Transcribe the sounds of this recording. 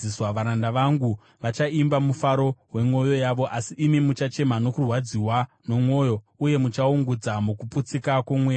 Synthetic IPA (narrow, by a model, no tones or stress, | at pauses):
iswaʋaɾandaʋaŋɡu | ʋat͡ʃaimbamufaɾo̞ɦwe̞mwo̞jo̞jaʋo̞ʔasiʔːmimut͡ʃat͡ʃe̞mano̞kurwad͡ziwano̞mwo̞ːjo̞ | uje̞mut͡ʃauŋɡud͡zamukuput͡sikakumwe